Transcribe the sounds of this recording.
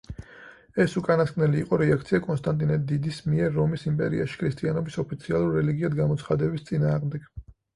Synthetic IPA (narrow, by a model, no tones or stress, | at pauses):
ɛsukʼanaskʼnɛliːqʼɔɾɛakʰt̪sʰiakʼɔnst̪ʼant̪ʼinɛd̪id̪ismiɛɾːɔmisimpʼɛɾḭa̰ʃi̥kʰɾist̪ʼianɔbisɔpʰit̪sʰialˠuɾːɛliɡiad̪ɡamɔt̪sʰχad̪ɛbist̪sʼinaːʁmd̪ɛɡ̥